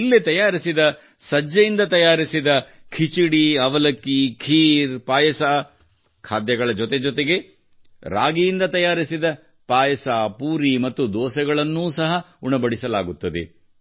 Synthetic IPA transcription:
ilːit̪ɐjaːɾisid̪ɐ | sɐd͡ʒːɐjind̪ɐt̪ɐjaːɾisid̪ɐkʰit͡ʃiɽiɐʋɐlɐkːikʰiːɾpaːjɐsaː | kʰaːd̪jɐɡɐɭɐd͡ʒɔt̪e̞d͡ʒɔt̪e̞ɡe̞ | ɾa̰ːɡijind̪ɐt̪ɐjaːɾisid̪ɐ | paːjɐsaːpuːɾimɐt̪ːud̪ɔːsɐɡɐɭɐnːuːsɐɦɐ | uɳɐbɐɽisɐla̰ːɡut̪ːɐd̪ḛ

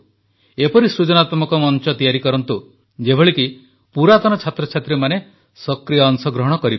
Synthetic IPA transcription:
epɔɾisɾud͡ʒɔnat̪mɔkɔmɔnt͡ʃɔt̪ijaɾikɔɾɔnt̪u | d͡ʒebʱɔɭiki | puɾat̪ɔnɔt͡ʃʰat̪ɾɔt͡ʃʰat̪ɾemane | sɔkɾijaːŋsɔɡɾɔɦɔɽ̃ɔkɔɾib

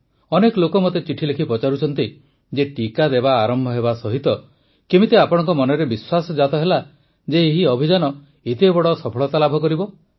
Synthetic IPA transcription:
ɔnekɔlokɔmot̪et͡ʃiʈʰilekʰipɔt͡ʃaɾut͡ʃʰɔnt̪i | d͡ʒeʈikad̪ebaːɾɔmbʱɔɦeβasɔɦit̪ɔ | kemit̪eapɔɽ̃ɔŋkɔmɔnɔɾebiswasɔd͡ʒat̪ɔɦela | d͡ʒeːɦiɔbʱid͡ʒanɔ | et̪ebɔɽɔsɔpʰɔɭɔt̪alabʱɔkɔɾibɔ

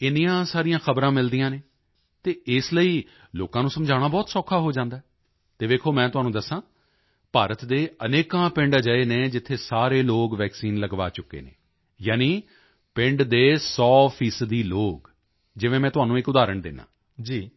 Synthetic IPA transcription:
ɪnijãːsaːɾijãːxʰəbɾãːmɪld̪ijãːneː | t̪eːɪsləiː | loːkãːnũːsəmd͡ʒʱaːɽ̃aːbɔːt̪sɔːkʰaːɦoːd͡ʒãːnd̪aːɦɛ | t̪eːʋeːkʰoːmɛ̃ːt̪ʊɦaːnũːd̪əsːãː | paːɾət̪d̪eːəneːkãːpɪ̃ɳɖd͡ʒəeːneːd͡ʒɪt̪ʰːeːsaːɾeːloːkʋɛːksiːnləɡʋa̰ːt͡ʃʊkːḛːnḛː | jaːniː | pɪ̃ɳɖd̪eːsɔːpʰiːsəd̪iːloːk | d͡ʒɪʋẽːmɛ̃ːt̪ʊɦaːnũːɪkʊd̪aːɾəɳd̪ɪnːã̰ː | d͡ʒiː

